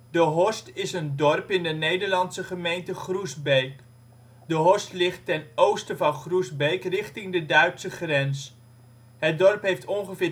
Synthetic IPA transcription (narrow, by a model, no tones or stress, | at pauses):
dəɦɔstɪsəndɔrpɪndənejdəɹlɑnsəχəmejntəχruzbejk | dəɦɔstlɪχtːɛnowstəvɑnχruzbejkrɪχtɪŋdədœɥtsəχrɛns | ɦət̚dɔɹpɦejftʰɔŋχəvɪː